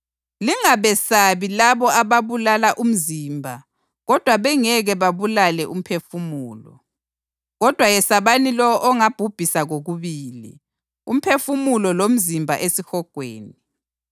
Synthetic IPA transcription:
liŋaβɛsaβilaβɔaβaβulalaʔum̩ziːmbʱa | ɣɔd̥ʱwaβɛŋɛɣɛβaβulalɛʔum̩pʰefumuːlɔ̰ | ɣɔd̥ʱwajɛsaβanilɔʔɔŋab̥ʱub̥ʱisaɣoɣuβiːlḭ | ṵm̩pʰefumulɔlom̩zimbʱa̰ʔesixɔɡ̥ʱwḛːni

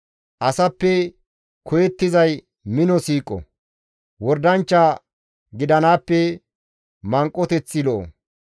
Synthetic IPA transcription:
ʔɐsɐpːɛ | kʰɔjɛt̪ːɪzɐj | mɪnɔsiːkʼɔ̰ | wɔɾd̪ɐnt͡ʃːa | ɡɪd̪ɐnaːpːɛ | mɐŋkʼːɔt̪ɛt͡sːɪlɔʔɔ̰

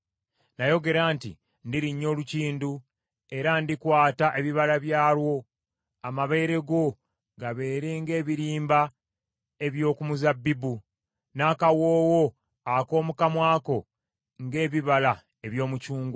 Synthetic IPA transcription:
najo̞ɡe̞ɾantḭ | ndiɾiɲːo̞ːluciːndu | e̞ɾandikwaːtaʔeβiβalaβjaːlwo̞ | amaβe̞ːɾe̞ɡo̞ | ɡaβe̞ːɾeŋɡe̞ːβiɾiːmba | e̞βjo̞ːkumuzabːibu | naːkawo̞ːwo̞ | ako̞ːmukamwaːko̞ | ŋɡe̞ːβiβala | e̞βjo̞ːmucuːŋɡo

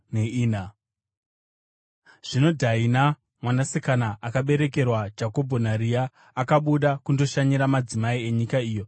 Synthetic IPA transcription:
neiːna | ʐ̥ino̞dʱaina | mwanasekanaʔakaɓe̞ɾe̞ke̞rwad͡ʒako̞bʱo̞naɾiaː | kaɓuɗakundo̞ʃaɲiɾamad͡zimaie̞ɲikaiːjo̞

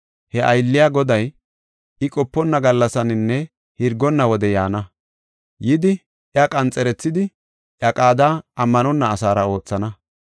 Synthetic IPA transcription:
hɛʔɐjlːɪjaːɡɔd̪ɐj | ɪkʼɔpːɔnːɐɡɐlːɐsɐnɪnːɛ | hɪɾɡɔnːɐwɔd̪ɛjaːnɐ | jɪd̪ɪ | ʔjakʼɐnt͡sʼːɛɾɛt͡sːɪd̪ɪ | ʔjɐkʼaːd̪aːɐmːɐnɔnːɐːsaːɾɐo̞ːt͡sːɐnɐ

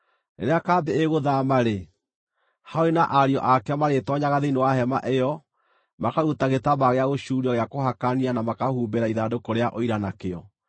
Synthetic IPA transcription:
nḛɾeakaːbeeɣoðamaɾe | haoenaʔaɾjɔ̰ʔakɛmaɾetɔɲaɣaðeinewaɦɛma̰ʔejɔ | makaɾutaɣetaβaɣeaɣoɕuɾiɔɣeakoɦakanianamakahuːbeɾaiðadokoɾeaʔoiɾanakeɔ

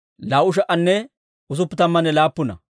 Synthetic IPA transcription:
laːwʊʃ̬ɐʔɐnːɛ | ʊs̬ʊpːɪt̪ɐmːɐnːɛlaːpːʊnɐ̰

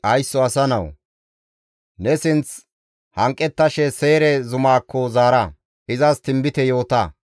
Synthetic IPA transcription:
ɐjsːɔɐsɐnɐw | nɛsɪnt͡s | hɐŋkʼːɛt̪ːɐʃɛseːɾɛzʊmaːkːɔzaːɾɐ | ɪzɐst̪ɪmbɪt̪ɛjo̞ːt̪ɐ

